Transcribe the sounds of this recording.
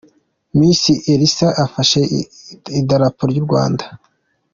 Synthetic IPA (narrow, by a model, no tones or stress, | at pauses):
miːnsiʔeɾisaʔafaʃe̞idaɾapuɾɟuɾɡwa̰ːndḁ